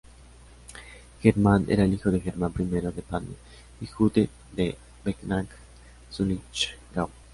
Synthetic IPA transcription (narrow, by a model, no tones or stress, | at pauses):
xeɾmanḛɾaelixoðexeɾmãmpɾimeɾoðepano | ixut̪e | d̪e | beknaŋk | sunit͡ʃɡaw